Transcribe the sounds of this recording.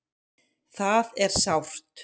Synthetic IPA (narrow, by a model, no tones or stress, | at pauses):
θaðɛɾ̥sawr̥t̪